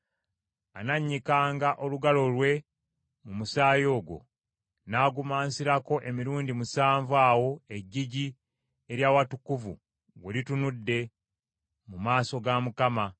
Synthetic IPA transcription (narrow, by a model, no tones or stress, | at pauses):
anaɲːikaːŋɡaʔo̞luɡalo̞lwe̞ | mumusaːjo̞ːɡo̞̰ | naːɡumaːnsiɾako̞ʔe̞miɾuːndimusaːɱvwaːwo̞eɟːiɟi | eɾjaːwatukuvṵ | wwelitunudːe̞ | mumaːso̞ɡamukama